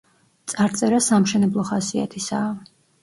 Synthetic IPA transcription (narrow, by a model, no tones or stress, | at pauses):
t̪sʼaɾt̪sʼɛɾasamʃɛnɛblˠɔχasia̰t̪ʰisaː